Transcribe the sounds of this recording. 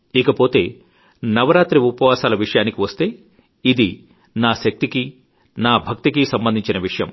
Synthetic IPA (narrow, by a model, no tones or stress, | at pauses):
ikɐpo̞ːt̪e̞̰ː | nɐʋɐɾaːt̪ɾiupɐʋaːsaːlɐʋiʂɐjaːnikiʋɐst̪e̞ː | id̪i | naːʃɐk̚t̪iki | naːbʱɐk̚t̪ikisɐmbɐnd̪iɲt͡ʃinɐʋiʂɐjɐ̰m